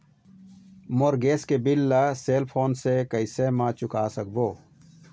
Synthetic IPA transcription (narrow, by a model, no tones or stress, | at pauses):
moɾɡeːskebilːaseːlpʰoːnsekəisemãːt͡ɕʊkaːsɐk̚boː